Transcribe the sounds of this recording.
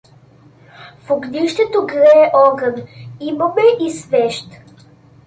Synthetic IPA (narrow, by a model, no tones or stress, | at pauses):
fʊɡnʲiʃt̪ɛt̪oɡɾɛɛʔɔɡəniməmɛʔisvɛʃt̪